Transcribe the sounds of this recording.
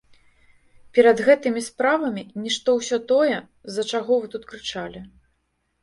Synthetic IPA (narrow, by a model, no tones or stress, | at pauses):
pʲɛɾɐd̪ɣɛt̪ɨmʲispɾavɐmʲinʲiʂt̪ɔwsʲɔt̪ɔjɛ | zɐt͡ʂaɣɔvɨt̪ut̪kɾɨt͡ʂalʲi